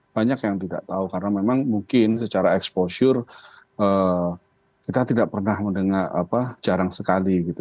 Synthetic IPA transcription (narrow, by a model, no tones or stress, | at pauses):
b̥aɲakjaŋt̪ida̰ʔt̪aukaɾənamemaŋmuŋkɪnsət͡ʃaɾaɛksposʊrəː | kit̪at̪idaʔpərnahməndəŋara̰pad͡ʒaɾaŋsəkaliɡit̪u